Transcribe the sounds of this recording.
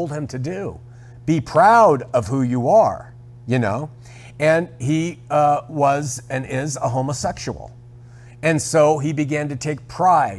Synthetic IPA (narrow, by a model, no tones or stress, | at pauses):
lˠd̚ɨ̃mtʰɨdʉ | b̥ipʰɹ̥aʊɾʌv̥hujɨə˞ | jɨno̰ʊ | ɨ̃ni | wʌzɨ̃nɪzəɦõʊ̃məsɛkʃṵl̩ˠ | ɨ̃nsoʊibɨɡæ̃ntɨtʰeɪk̚pʰɹ̥aɪ